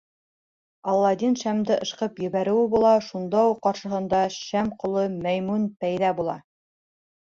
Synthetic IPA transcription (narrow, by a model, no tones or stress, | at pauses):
ɑlˠːɑd̪inʃæmd̪ɘʔɤ̆ʃqɤpjɘ̆βæɾɘ̆wɘbulˠɑʃund̪ɑuqːɑɾʃɤ̆ɦɤ̆nd̪ɑʃæmqŏlˠɤmæjmunpæjðæbulˠɑ̰